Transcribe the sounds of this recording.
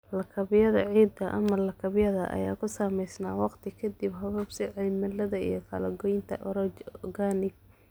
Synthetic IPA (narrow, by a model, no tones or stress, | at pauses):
lɐkʰɐβɪjɐðɐ̰ʕiːd̪ɐʔɐ̰mɐlɐkʰɐβɪjɐðɐ̰ʔɐ̰ja̰ːkʰʊsaːmɛjsnaːwɑqt̪ʰɪkʰɐd̪ibɦɐβɐbsɪʕɛlmɐlɐðɐḭjɞkʰɐ̰lɐɡɔjɪnt̪ʰɐ̰ʔɔɾɔt͡ʃɡanɪɡ